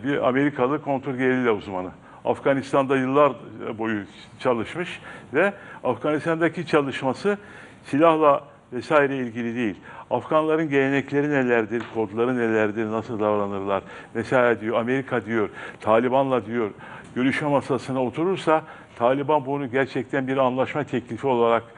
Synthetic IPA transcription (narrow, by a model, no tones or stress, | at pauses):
bia̰me̞ɾikʰalˠɯkʰo̞nt̪ɾolʲɟelʲilʲɛuzmanɯ | a̰fɡanist̪ʰand̪ajɯlˠːaɾbo̞ju | t͡ʃʰalˠɯʃmɯʃvɛafɡanist̪ʰand̪acit͡ʃʰalˠɯʃmasɯ | silʲahlˠa | vɛsaːiɾɛilʲɟilʲid̪e̞jilʲafɡanlˠaɾɯnɟe̞lʲe̞nɛclʲe̞ɾine̞lʲæɾd̪iɾkʰo̞d̪lˠaɾɯne̞lʲæɾd̪iɾnasɯlˠd̪avɾanɯɾlˠaɾ | vɛsaːjɾɛd̪ijo̞ɾame̞ɾikʰad̪ijo̞ɾt̪ʰaːlʲibanlˠad̪ijo̞ɾ | ɟø̞ɾyʃmɛmasasɯnao̞t̪ʰuɾuɾsa | t̪ʰaːlʲibanbunuɟæɾt͡ʃʰɛc̚t̪ʰænbiɾanlˠaʃmat̪ʰɛclʲifio̞lˠaɾak